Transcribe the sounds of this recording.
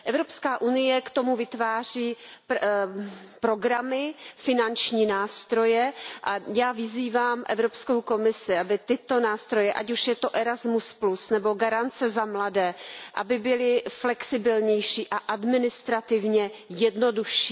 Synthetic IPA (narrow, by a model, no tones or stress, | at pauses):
ʔɛvɾo̞pskaːʔunɪjɛkt̪o̞muvɪt̪vaːr̝iː | pɾo̞ɡɾamɪfɪnant͡ʃɲiːnaːst̪ɾo̞jɛʔajaːvɪziːvaːmʔɛ̰vɾo̞pskowko̞mɪsɪʔabɪt̪ɪt̪o̞naːst̪ɾo̞jɛʔacuʃjɛt̪o̞ʔɛɾazmusplusnɛbo̞ɡaɾant͡sɛzamladɛːʔa̰bɪbɪlɪflɛksɪbɪlɲɛjʃiːʔaʔadmɪnɪst̪ɾat̪ɪvɲɛjɛdno̞duʃiː